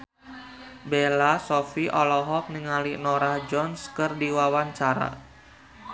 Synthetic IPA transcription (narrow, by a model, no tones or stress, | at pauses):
belasɔfiʔɔlɔɦɔk̚niŋalinɔɾahd͡ʒɔnskɨrdiwawaɲt͡ʃaɾa̰